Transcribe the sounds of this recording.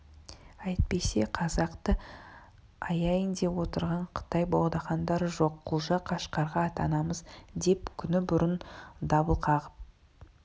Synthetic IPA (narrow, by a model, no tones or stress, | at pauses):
ɑjt̪̚pe̞se̞qʰɑzɑqt̪ə | ɑjɑjənd̪e̞wo̞t̪əɾʁɑɴqʰə̥t̪ɑjbolˠd̪ɑχɑnd̪ɑɾəʒo̞qʰːulˠʒɑqʰɑʃqɑɾʁɑːt̪ɑnɑməzd̪e̞pkʲʰʏnɪbʊɾənd̪ɑbəlˠqʰɑʁəp̚